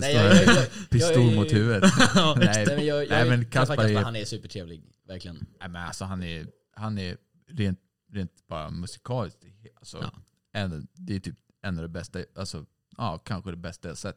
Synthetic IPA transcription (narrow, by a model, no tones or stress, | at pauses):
sɔpʰɪst̪uːɾmʊhʉ̟ːvət̪nmɛj̪ɛmɛnkʰaspaanɛsʉːpəʈʰɾeːvlɪɡ | væɾkʰlɪɡənɛmɛna̰lsɔɦanɛɾ | hanɛɾ | ɾeːnt̪̚ | ɾeːnt̪b̥ɑːɾa̰mɵsɪ̥kʰɑːlɪsk̪halsɔ̰ | ɛnd̪ɛjt̪ʰyːp | ɛnːavd̪ɛbɛst̪aʔalsɔ̰ | ɑːkʰanɧəd̪ɛbɛst̪ajaːsɛt̪ː